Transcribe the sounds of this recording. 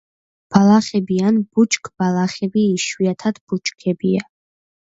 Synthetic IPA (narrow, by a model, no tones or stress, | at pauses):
b̥alˠaχɛbianb̥ut͡ʃʼkʰʼb̥alˠaχɛbiːʃwiat̪ʰad̪b̥ut͡ʃʼkʰɛbia